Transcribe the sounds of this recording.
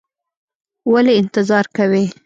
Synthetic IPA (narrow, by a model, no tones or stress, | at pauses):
waleɪnt̪ɪzɑɾkawe